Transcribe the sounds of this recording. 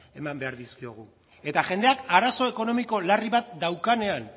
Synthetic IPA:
e̞mambe̞aɾðiskio̞ɣ̞u | e̞t̪aʝe̞nd̪e̞akaɾaso̞e̞ko̞no̞miko̞lariβat̪̚d̪awkane̞an

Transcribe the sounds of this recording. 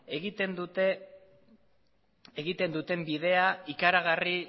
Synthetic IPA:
eɣit̪end̪ut̪e | eɣit̪e̞nd̪ut̪e̞mbið̞e̞aikaɾaɣari

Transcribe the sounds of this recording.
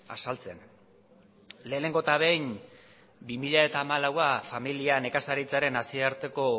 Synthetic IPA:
a̰salt͡se̞n | le̞ːne̞ŋɡo̞t̪aβe̞jn | bimiʎae̞t̪aːmalawafamiliane̞kasaɾit͡saɾe̞nasieaɾt̪e̞ko̞

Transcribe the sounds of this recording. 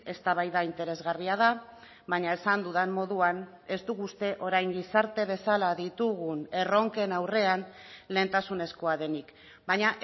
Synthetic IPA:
e̞st̪aβajðaint̪e̞ɾe̞zɣariað̞a | βaɲae̞sand̪uðammo̞ðuan | e̞zd̪uɣust̪e̞ʔo̞ɾajŋɡisaɾt̪e̞β̞e̞salaðit̪uɣ̞une̞ro̞ŋke̞nawre̞an | le̞ːnt̪asune̞sko̞aðe̞nik | baɲaʔ

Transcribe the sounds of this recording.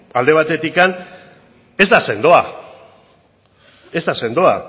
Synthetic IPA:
ald̪e̞β̞at̪e̞t̪ikan | e̞zd̪ase̞nd̪oa | e̞zd̪ase̞nd̪oa

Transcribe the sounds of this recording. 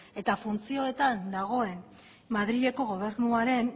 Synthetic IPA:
e̞t̪afunt͡sio̞e̞t̪and̪aɣ̞o̞e̞n | maðɾiɣe̞ko̞ɣo̞β̞e̞ɾnuaɾe̞n

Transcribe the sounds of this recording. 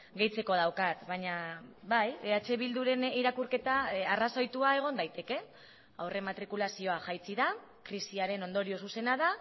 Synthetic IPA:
ɡe̞jt͡se̞ko̞ð̞awkat̪βaɲabajeat͡ʃe̞βild̪uɾe̞niɾakurke̞t̪aaraso̞jt̪uae̞ɣ̞o̞nd̪ajt̪e̞ke̞ | a̰wre̞mat̪ɾikulasio̞aʝajt͡siða | kɾisiaɾe̞no̞nd̪o̞ɾio̞s̬use̞naða

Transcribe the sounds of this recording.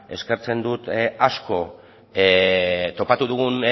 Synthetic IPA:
e̞̰ske̞ɾt͡se̞nd̪ut̪asko̞ | t̪o̞pat̪uðuɣun

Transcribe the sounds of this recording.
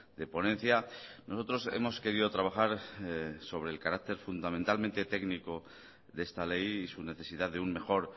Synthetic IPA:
d̪e̞po̞nẽ̞n̟θjanʔo̞so̞t̪ɾo̞se̞̰mo̞ske̞ɾiðot̪ɾaβ̞axaɾ | so̞β̞ɾe̞ːlkaɾak̚t̪e̞ɾfund̪amẽ̞nt̪alment̪e̞t̪e̞ɡniko̞ | ðest̪ale̞jisune̞θe̞siðaðeunme̞xo̞ɾ

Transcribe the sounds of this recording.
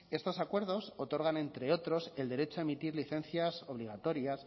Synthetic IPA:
e̞st̪o̞sakwe̞ɾðo̞so̞t̪o̞ɾɣ̞anẽ̞nt̪ɾe̞o̞t̪ɾo̞se̞ld̪e̞ɾe̞t͡ʃoaemit̪iɾliθe̞nθjaso̞β̞liɣ̞at̪o̞ɾjas

